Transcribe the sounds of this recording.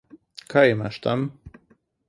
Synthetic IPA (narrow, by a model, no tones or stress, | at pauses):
kʰaemaʃt̪am